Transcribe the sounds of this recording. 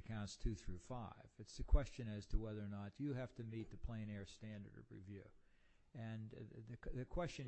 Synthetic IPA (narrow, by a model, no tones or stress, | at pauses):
kʰãʊ̃ntstʰʉθɹʉfaɪvɨtsðɨkʰw̥ɛst͡ʃɨ̃nɨz̥tʰəwɛðə˞nət͡ʃɨɦæftɨmit̪̚ðɨpʰl̥ẽɪ̃ñɛɹstæ̃ndə̰˞ɾ̰ɹḭvjʉ | ɨ̃nðɨðɨkʰw̥ɛst͡ʃɨ̃n